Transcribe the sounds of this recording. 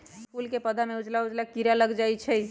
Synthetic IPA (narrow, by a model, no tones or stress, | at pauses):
skulkepəd̪ʱameud͡ʒlaud͡ʒlakiɾaləɡd͡ʒajt͡ʃʰɛ